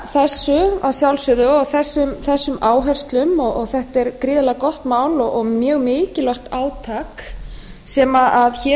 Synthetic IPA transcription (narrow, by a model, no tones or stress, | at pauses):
θɛsːʏa̰ðsjawlsʏðʏɔɣθɛsːʏmθɛsːʏmaːwɦɛr̥st̪lʏmɔɣɔɣθɛht̪ɛɾkɾiːðɪlakɔht̪maːwlɔɣɣmjœːɣmɪːcɪlœxt̪aːwt̪ʰaːk | sɛːmaʔaðçɛ